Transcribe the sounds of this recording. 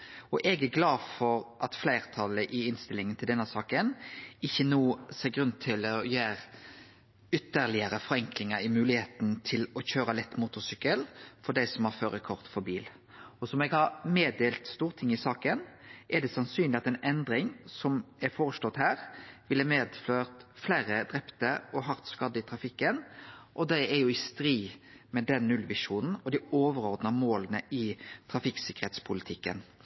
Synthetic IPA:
ɔʔɛɡæɡlɑːfɔɾʔɑt̪flæɪʁt̪ʰɑləʔɪɪnst̪ɪlːɪŋənt̪ʰɪld̪ɛnːəsɑːkənɪçːənuːseːɡɾʉnt̪ʰɪlɔjæːɾ | ʏt̪ːəʁlɪəɾəfɔɾɛŋklɪŋəɾɪmʉːlɪheːt̪n̩t̪ʰɪlɔçøːɾəlɛt̪ːmuːt̪ʊsykəlfɔɖ̪æɪsɔmhɑɾføːɾəkʰɔʁt̪fɔɾbiːl | ɔsɔmɛɡhɑɾmeːd̪eːlt̪st̪uːʁt̪ʰɪŋːɪsɑːkənʔɛd̪ɛsɑnsyːnlɪɑt̪ɛnɛnd̪ɾɪŋsɔmɛɾfoːɾəst̪ɔt̪ːhæːɾʋɪlːəmeːd̪fløːʁt̪flæːɾəd̪ɾɛpt̪əɔɦɑʁt̪skɑd̪ːəɪt̪ʰɾɑfɪkːənʔɔd̪æɛɾjʊɪst̪ɾiːmɛd̪ɛnnʉlʋɪʂuːnn̩ɔd̪ɪoːʋəɾɔʁd̪nɑmoːlənəɪt̪ʰɾɑfɪksɪkəɾeːt̪spʰʊlɪt̪ʰɪkːə̰n

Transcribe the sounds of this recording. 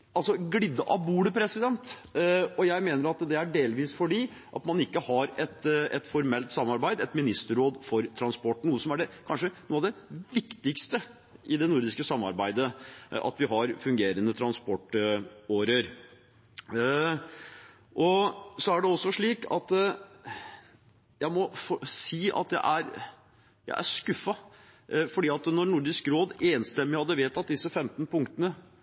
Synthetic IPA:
ɑlsɔɡlɪd̪ːəʔɑbuːɽəpʰɾɛsɪd̪ɛnt̪ | ɔjæɪmeːnəɾɑt̪d̪ɛæɖeːlʋiːsfɔɖiː | ʔɑ̰t̪mɑnɪkːəhɑɾɛt̪ɛt̪fɔɾmɛlt̪sɑmːɑɾbæɪd̪ɛt̪mɪnɪst̪əɾoːd̪fɔɾt̪ʰɾɑnspɔʈːn̩uːəsɔmæɖɛkʰɑnʂənuːɑʋd̪ɛʋɪkt̪ɪkst̪ə | ʔɪd̪ɛnuɾd̪ɪskəsɑmːɑ̰ɾbæɪd̪əɑ̰t̪ʋɪɦɑɾfʉŋɡeːɾənət̪ʰɾɑnspɔʈːoːɾəɾ | ʔɔsɔæɖɛɔsːɔʂɭiːkɑ̰t̪ | jæɪmɔfɔsiːʔɑ̰t̪d̪æ̰ɪʔæɾ | jæ̰ɪʔæ̰ʂkʉfːɑ | fɔɖiːɑt̪nɔɾnʊɾɖ̪ɪskɾoːd̪eːnst̪ɛmːɪhɑd̪ːəʋeːt̪ɑt̪̚d̪ɪsːəfɛmt̪npʰʊŋkt̪ənə

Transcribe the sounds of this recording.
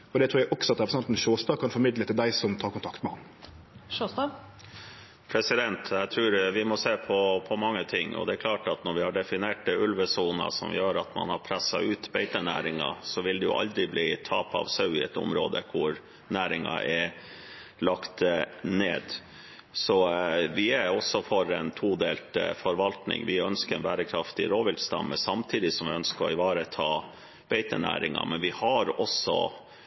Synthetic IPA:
ɔd̪ɛt̪ʰɾuːɾjæʔɔksɔɑt̪ɾɛpɾsɛnt̪n̩ʃoːst̪ɑːkʰɑnfɔɾmɪd̪lət̪ɪld̪æɪsɔmt̪ʰɑːkʊnt̪ʰɑkt̪mɛhɑnː | ʃoːsɑ | pʰɾɛsɪd̪ɛnt̪ʰæɪt̪ʰɾʉːɾʋɪmɔseːpʰɔpʰɔmɑŋːət̪ʰɪŋːɔ̰d̪ɛɾkʰlɑːʈɑt̪nɔɾʋɪhɑɖɛfɪneːʈɛʉlʋəsuːnɑ̰sɔ̰mjøːɾɑt̪mɑ̰nhɑɾpʰɾæsːɑ̰ʉːt̪beɪt̪ənæ̰ːɾɪŋɑ̰sɔʋɪld̪ɛjʊ̰ʔɑ̰ld̪ɾɪbliːt̪ʰɑːpɑ̰ʋsɑʉɪɛt̪ʊ̰mɾoːd̪əkʰʊɾ | næːɾɪŋɑʔɛ | lɑkt̪neːd̪ | sɔʋɪæɔsːɔfɔɾɛnt̪ʰuːd̪eːlt̪fɔɾʋɑlt̪nɪ̰ŋʋɪœnskəɾɛnbæːɾəkʰɾɑft̪ɪɾoːʋɪlst̪ɑ̰mːəsɑmt̪ʰiːd̪ɪsɔmʋɪœnskəɾɔ̰ɪʋɑːɾət̪ʰɑː | b̥eɪt̪ənæ̰ːɾɪŋɑ̰mɛnʋɪhɑɾɔsɔ̰

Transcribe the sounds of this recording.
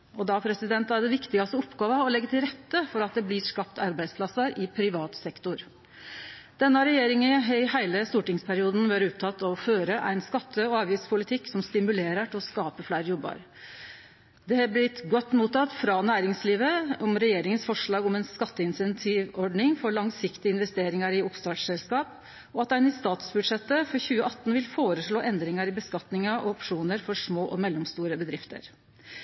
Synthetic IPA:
ɔd̪ɑpʰɾɛsɪd̪ɛnt̪æɖɛʋɪkt̪ɪɡɑst̪əɔɔpːɡɑːʋəɔlɛɡːət̪ɪlɾɛt̪ːəfɔɾɑt̪̚d̪ɛblɪʂkɑpt̪ɑɾbæɪd̪spʰlɑsəɾɪpʰɾɪʋɑːt̪sɛkt̪ʊɾ | d̪̥ɛnːəɾɛjeːɾɪŋəɦœɪhæɪləst̪uːʈɪŋspʰæɾɪuːd̪n̩ʋøɾəʉpt̪ʰɑt̪ːɔføːɾəʔæ̰ɪnskɑt̪ʰːəɔɑːʋiːspʰʊlɪt̪ʰɪkːsɔmst̪ɪmʉleːɾəʈɪlɔskɑːpəflæɪɾjɔbːə̰ɾ | d̪ɛhɑblɪt̪ɡɔt̪ːmuːt̪ːɑt̪ːfɾɑnæːɾɪŋsliːʋəɔmɾɛjeːɾɪŋənsfɔʂɭɑːɡɔmɛɪnskɑt̪ːəɪnsɛnt̪ʰiʋɔɖɳɪŋfɔɭɑŋsɪkt̪ɪəɪnʋɛst̪eːɾɪŋɑɾɪʊpst̪ɑːssɛlskɑːp | ɔɑt̪æɪnɪst̪ɑːt̪sbʉd̪ʂɛt̪ːəfɔɾçʉːəʔɑt̪ːn̩ʋɪlfoːɾəʂɭoːʔɛnd̪ɾɪŋɑɾɪbəskɑt̪nɪŋɑʔɔɔpʂuːnəɾfɔʂmoːʔɔmɛlːɔmst̪uːɾəbəd̪ɾɪft̪ʰə̰ɾ

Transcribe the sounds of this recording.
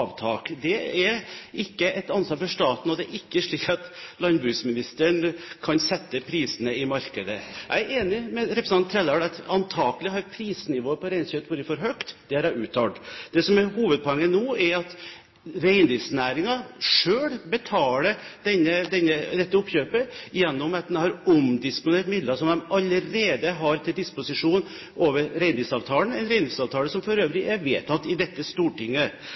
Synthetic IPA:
ɑʋt̪ʰɑːkd̪ɛɛɾɪkːəʔɛt̪ɑnsʋɑːɾfɔʂt̪ɑːt̪n̩ɔd̪ɛæɾɪkːəʂɭiːkɑt̪lɑnbɾʉːsmɪnɪst̪əɳkʰɑnsɛt̪ːəpʰɾiːsənəɪmɑɾkəd̪əʔæ̰ɪɾeːnɪmɛɾɛpɾs̩ɑnt̪ʰːɾɛlɑɽɑt̪ɑnt̪ʰɑːkəlɪɦɑɾpʰɾiːsnɪʋoːəpɔɾæɪnsœːt̪buːɾəfɔɾɦœkt̪d̪̥ɛhɑɾæʉːt̪ʰːɑɖd̪̥ɛsɔmæɾhuːʋəd̪̚pʰɔɛŋːənoːɛɾɑt̪ | ɾæɪnd̪ɪlsnæːɾɪŋɑʂøːɽbət̪ʰɑːləd̪̥ɛnːəd̪ɛnːəd̪ɛt̪ːəʊpːçøːpəɪjɛnːɔmɑt̪̚d̪nhɑɾɔmd̪ɪspʊneːʈmɪd̪lɑsɔmd̪ɛmɑlːəɾeːd̪əɦɑɾt̪ʰɪld̪ɪspʊsɪʂuːn | ʔoːʋəɾɾæɪnd̪ɪsɑʋt̪ʰɑːlən̩æɪnɾæɪnd̪ɪsɑːʋt̪ʰɑːləsɔmfɔɾøːʋɾɪʔæɾʋeːt̪ʰɑt̪ːɪd̪ɛt̪ːəst̪uːʈɪŋːə

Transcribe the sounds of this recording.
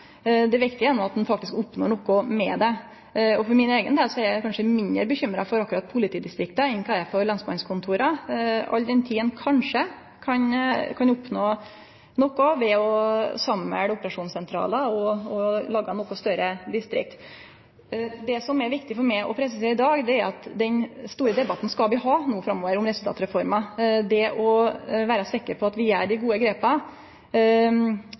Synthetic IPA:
d̪ɛʋɪk̚t̪əjʊjɛnːʊmɑt̪̚d̪ɛnfɑk̚t̪ɪskʊpnɔ̰ɾɳɔkːʊmɛd̪ɛ | ɔfɔɾmɪneːɡənd̪eːlsɔæɾjækʰɑnʂəmɪnd̪əɾbəçʏmːɾɑfɔɾɑkːʉɾɑt̪̚pʰʊlɪt̪ʰiːd̪ɪst̪ɾɪkt̪əɪŋkʰɑɛfɔɾlɑnsmɑnskʰʊnt̪ʰuːɾɑɑ̰ld̪ɛnt̪ʰiːənkʰɑnʂə | kʰɑnkʰɑnʊpnoː | nɔkːʊʋɛɔsɑmːɛ̰ɽʊpəɾɑʂuːnsɛnt̪ʰɾɑ̰ːləɔɔlɑːɡɑnɔkɔst̪œɾəd̪ɪst̪ɾɪ̰k̚t̪ | d̪ɛsɔmɛɾʋɪkt̪ɪfɔɾmɛɪʔɔ̰pʰɾɛs̬əseːɪd̪ɑːɡd̪ɛæɾɑt̪d̪ɛnst̪uːɾəd̪ɛbɑt̪n̩skɑlʋɪɦɑːnuːfɾɑmːoːʋəɾʊmɾɛsʉlt̪ʰɑ̰ːt̪ɾɛfɔɾmɑd̪ɛʔɔʋæːɾɑsɪkːəɾpʰɔɑt̪ʋɪæɖɪɡuːəɡɾeːpɑ

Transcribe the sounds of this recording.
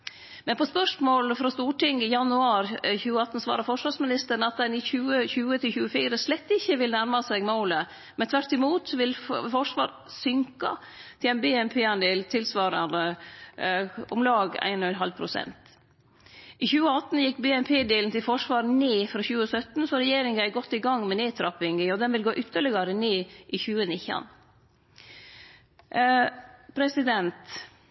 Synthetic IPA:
mɛnpʰɔspœʂmoːlfɾɑst̪uːʈɪŋɪjɑnʉɑːɾçʉːəɑt̪ːn̩sʋɑ̰ːɾɑfɔʂʋɑːʂmɪnɪst̪əɾɳ̩ɑt̪̚d̪ɛnɪçʉːəçʉːət̪ʰɪlçʉːəfiːɾəslɛt̪ːɪçːəʋɪlənæɾmɑseːɡmoːlə | mɛnt̪ʰʋæɾʈ̪ɪmuːt̪sɔʋɪlfɔʂʋɑ̰ːɾ | sʏŋkɑ̰ | t̪ʰɪlæɪnbeːɛnpʰeːɑnd̪eːlt̪ʰɪlsʋɑːɾɑnə | ʊmlɑːɡæ̰ɪnɔɛnɦɑlpʰɾʊsɛ̰nt̪ | ʔiçʉːəɑt̪ːn̩jɪkːbɛɛnpʰeːd̪eːln̩t̪ʰɪlfɔʂʋɑːɾneːfɾɑçʉːəsœt̪n̩sɔɾɛjeːɾɪŋɡæɪɡɔt̪ːɪɡɑŋːmɛneːt̪ʰɾɑpɪŋɪɔd̪ɛnʋɪlɡoːʔʏt̪ːəɭɪɡɑɾəneːʔiːçʉːənɪçɑ̰n | pʰɾɛsɪd̪ɛnt̪

